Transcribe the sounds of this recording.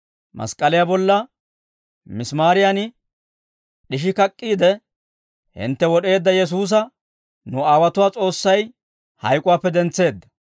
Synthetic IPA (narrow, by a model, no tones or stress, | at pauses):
mɐ̰skʼɐlɪjabɔlːɐ | mɪsmaːɾɪjanɪ | ɗɪʃ̬ɪkɐkʼːiːd̪ɛ | hɪ̰nt̪ːɛwɔɗe̞ːd̪ːɐjɛs̬uːs̬ɐ | nʊaːwɐt̪ʊwaːt͡sʼo̞ːsːɐj | hɐ̰jkʼʊwaːpːɛd̪ɛnt͡sːe̞ːd̪ːɐ̥